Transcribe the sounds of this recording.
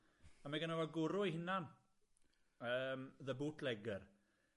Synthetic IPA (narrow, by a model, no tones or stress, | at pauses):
amaɡənawaɡʊɾʊihɪnan | əːmðəbuːtʰlɛɡər